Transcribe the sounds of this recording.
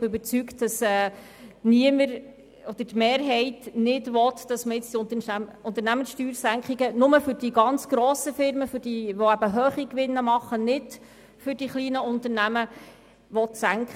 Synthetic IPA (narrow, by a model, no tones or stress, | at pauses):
bøbəɾt͡syktd̥ɑsɛː | niəməɾ | ɔd̥̪ətmeːɾɦɛɪtnɪdʋɔt̪d̥ɑsməjɪt͡sd̥iʊnt̪əʊnt̪əɾnæmənsʃtyːɾsæŋkχiɡənʊməfʏɾd̥iɡɑnt͡sɡ̥ɾɔːsəfɪɾməfʏɾd̥iʋoæbəɦøːχikʋɪnːəmɑχːənɪd | fʏɾd̥iχliːnəʊnt̪əɾnæmə | ʋɔt̪sæŋkχ